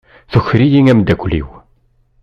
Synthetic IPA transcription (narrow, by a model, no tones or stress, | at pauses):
θuxɾijiŋæmd̪ækʷulḭw